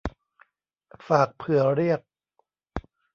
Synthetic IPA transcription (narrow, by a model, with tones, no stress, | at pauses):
faː˨˩k̚pʰɯ˨˩˦ɐ˦ɾi˥˩ək̚